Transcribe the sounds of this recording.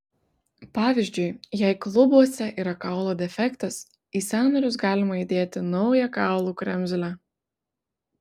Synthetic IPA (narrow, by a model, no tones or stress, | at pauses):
pɑːʋʲɪzʲd͡ʒʲʊɪjɛɪklˠʊbuɔsʲɛʔiːɾɐkɑˑʊlˠoːd̪ʲɛfʲɛkt̪ɐs | iːsʲɑːnɐɾʲʊs̬ɡɑːlʲɪmɐid̪ʲeːt̪ʲɪnɒʊjɛkɑˑʊlˠuːkɾʲɛmʲzʲlʲæ